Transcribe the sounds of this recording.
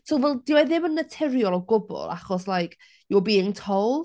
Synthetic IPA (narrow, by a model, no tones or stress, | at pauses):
sowvɛlˠdiwaðɪmənːətʰɛɾjɔlˠawɡʊbɔ̰lˠa̰χɔslˠajkʰ | jɔbiːɪŋtʰowlˠ